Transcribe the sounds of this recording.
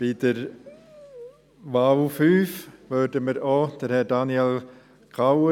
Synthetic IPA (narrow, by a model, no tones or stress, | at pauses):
b̥id̥əɾ | ʋawfyːfʋødəməɾod̥əɾhɛdɑniɛl | kʰawə